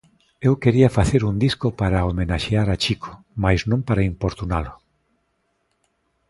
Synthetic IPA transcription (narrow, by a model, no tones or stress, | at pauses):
ewkeɾiafaθeɾund̪iskopaɾaomenaʃeaɾat͡ʃikʰo̥ | majznõmpaɾaimpoɾt̪unalʊ